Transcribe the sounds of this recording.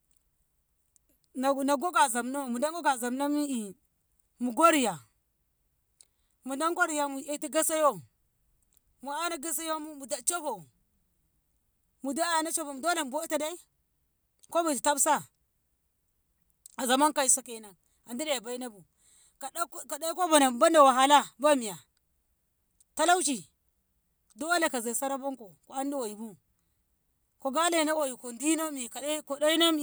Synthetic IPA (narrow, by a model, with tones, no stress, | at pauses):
na˨ɡo˦ɡa˨za˨mno˦mu˨da˦ŋɡo˦ɡa˨za˨mna˦mi˦i˨ | mu˨ɡo˦ɾi˨ja˨ | mu˨da˦ŋko˦ɾi˨ja˨mu˨a˦ti˦ɡa˦sa˦jo˦ | mu˨a˦na˦ɡa˦s̬a˦jo˦mu˦mu˨da˨t͡ʃo˦vo˨ | mu˨da˦a˦ja˨na˦t͡ʃo˦vo˨mu˨do˦le˨m˨bo˦ta˨da˦i˦ | ko˦ba˨ti˨ta˦bsa˦ | a˨za˨ma˦ŋka˨i˨sa˦ke˨˦na˨ | a˨ndi˦da˦˨ja˨ba˦i˦na˦bu˨ | ka˨˦ka˨da˦ko˦ba˨na˨m˨ba˦nda˨wa˨ɦa˨˦la˦ba˦mi˨ja˨ | ta˦la˦u˦t͡ʃi˨ | do˦la˨ka˨za˨sa˦ɾa˦bo˦ŋko˨ko˨a˦n˦di˦wa˨ji˨bu˦ | ko˨ɡa˦le˦˨na˦wa˨ju˨ko˨di˦na˦mi˨ka˨˦ko˨da˦i˦na˦mi˨